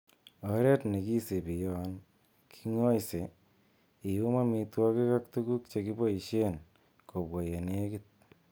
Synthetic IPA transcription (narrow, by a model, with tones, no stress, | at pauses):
ɔ˨ɾe˦tne˨ki˦se˨pi˨jɔ˦˨n | kʰi̥˦ŋɔ˦jse˨ | i˨ju˦ma˦mi˨twɔ˦ke˦ka˦ktu˦ku˦k̚t͡ʃe˨ki˦bo˦i˨ʃe˦n | kʰo˨bwo˨je˨ne˦e˦ki˦t̚